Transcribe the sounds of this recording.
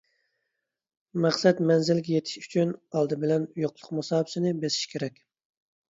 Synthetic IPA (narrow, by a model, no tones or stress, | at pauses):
mæχsɛt̪mɛnzɪlɡʲɛjet̪ʰɪ̥ʃy̥t͡ʃʰynɑlˠd̪ɨbɪlɛnjoqlˠʊqmɑsɑːbɪsɪnɪbesɪ̥ʃkʲʰeɾɛkʲ